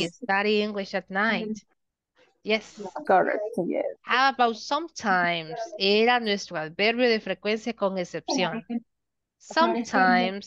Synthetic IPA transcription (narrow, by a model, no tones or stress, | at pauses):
ɪstaɾiɪ̃ŋɡlɪʃatnaɪt | jɛskəɹɛ̰k̚tjɛ̰hawabawtsʌ̃mtʰãɪ̃mz̥eɾanestwaðbɛɾbuðefɾekwẽnsjakɔ̃ŋesɛpsjõn | sʌ̃mtʰãɪ̃mz̥